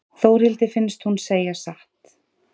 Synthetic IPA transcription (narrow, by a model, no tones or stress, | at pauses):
θoːwɾ̥hɪlt̪ɪfɪnst̪hunseːjasaht̪